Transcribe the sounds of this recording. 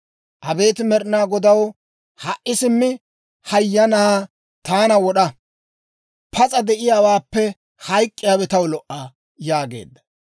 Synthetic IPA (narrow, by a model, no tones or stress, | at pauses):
ʔɐbe̞ːt̪ɪmɛɾɪnaːɡɔd̪ɐw | hɐʔɪsɪmːɪ | hɐjːɐnɐa | t̪aːnɐwɔɗɐ | pʰɐt͡sʼɐd̪ɛʔɪjaːwaːpːɛ | hɐjkʼːɪjaːbɛt̪ɐwlɔʔa | jaːɡe̞̰ːd̪ːɐ̥